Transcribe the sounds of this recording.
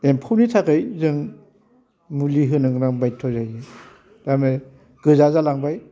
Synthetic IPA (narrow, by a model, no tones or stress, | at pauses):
empʰawnitʰakɯjzɯŋ | muliɦɯnɯŋɾaŋbajtʰɔzajɯ | d̥amɯ | ɡ̥ɯzazalaŋbaj